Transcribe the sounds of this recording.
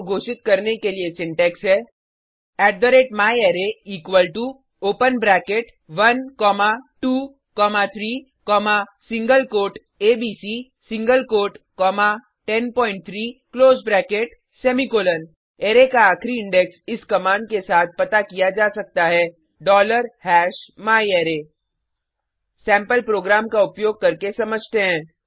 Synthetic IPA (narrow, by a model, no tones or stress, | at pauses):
ɡʱoːʃɪt̪̚kɐɾnekeliesɪ̃ɳʈɛːksɦɛː | ɛːɖɖoɾeːʈmaːjeːɾeiːkwəlʈu | oːpənbɾɛːkeʈ | ʋɐnkɔːmaʈuː | kɔːmat̪ʰɾiː | kɔːmasɪ̃ŋɡəlkoːɾʈ | eːbiːsiː | sɪ̃ŋɡəlkoːɾʈkɔːma | ʈɛnpɔ̃ːɪ̃ɳʈ̚t̪ʰɾiːkloːzbɾɛːkeʈ | sɛːmikoːlən | eːɾekaaːkʰɾiɪ̃ɳɖɛksɪskɐmaːɳɖ̚kesaːt̪̚ʰpɐt̪akijad͡ʒaːsɐk̚t̪aɦɛː | ɖɔːləɾhɛːʃmaːieːɾeː | sɛ̃ːmpəlpɾoːɡɾaːmkaʊpjoːɡ̚kɐɾkesɐməd͡ʒʱt̪eɦɛ̃ː